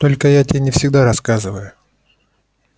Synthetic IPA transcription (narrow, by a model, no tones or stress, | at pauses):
t̪o̞lʲkəjatʲenʲɪfsʲɪɡd̪aɾɐskazɨvəjʊ